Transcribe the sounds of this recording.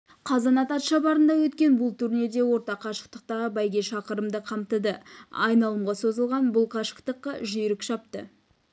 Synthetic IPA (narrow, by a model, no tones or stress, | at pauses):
qʰɑzɑnɑt̪ɑt̪ʃɑbɑɾənd̪ɑwɵt̪kʲe̞nbʊlˠt̪ʰʉɾne̞d̪e̞wo̞ɾt̪ɑqʰɑʃə̥q̚t̪əq̚t̪ɑʁəbɑjɡʲe̞ʃɑqəɾəmd̪əqʰɑmt̪əd̪əɑ̰jnɑlˠəmʁɑso̞zəlˠʁɑnbʊlˠqʰɑʃə̥qt̪əqːɑʒʏjɾɪkʃɑpt̪ə̰